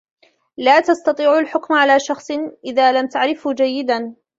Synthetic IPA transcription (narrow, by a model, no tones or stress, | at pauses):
laːt̪ɑst̪ɑt̪ˤiːʕalħʊkmʕalaːʃɑxsˤʔɪðaːlamt̪aʕɾɪfhd͡ʒajːɪd̪an